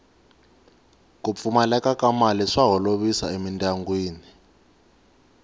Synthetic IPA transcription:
k̬up̪fumalɛkakamaliʂaɦɔloɓisa̰emintʼaŋɡwiːni

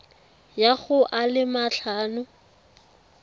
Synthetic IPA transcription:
jaɣʊʔalɪmaɬʰaːnʊ

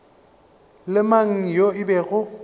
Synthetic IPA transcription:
lɪmaŋ̩joɪbɛɣʊ

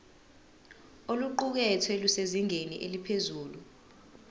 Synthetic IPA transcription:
oluǃuk̬ɛtʰweluseziŋenḭʔelipʰezuːlu

